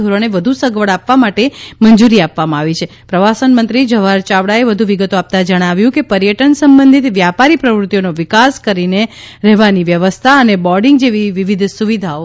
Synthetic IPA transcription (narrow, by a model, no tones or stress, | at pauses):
uɾoneʋəd̪ʱusəɡʋəɭapʋamaʈemənd͡ʒuɾiapʋamãaʋit͡ʃʰe | pɾəʋasənmənt̪ɾid͡ʒəʋaɾt͡ʃaʋɽaeʋəd̪ʱuʋiɡət̪oap̚t̪ad͡ʒəɽ̃aʋjũkepəɾjəʈənsəmbənd̪ʱit̪ʋjapaɾipɾəʋɾut̪ːjonoʋɪkaskəɾineɾɛɦʋaniʋjəʋəst̪ʰaənebɔɾɖĩŋɡd͡ʒeʋiʋiʋid̪ʱsuʋid̪ʱao